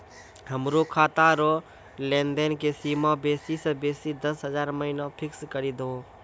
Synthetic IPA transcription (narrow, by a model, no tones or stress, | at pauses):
ɦəmɾokʰaːt̪aɾo | leːnd̪enkesiːmãbeːsisə̃beːsid̪əsɦəzaːɾməɦɪnãpʰɪkskəɾid̪õː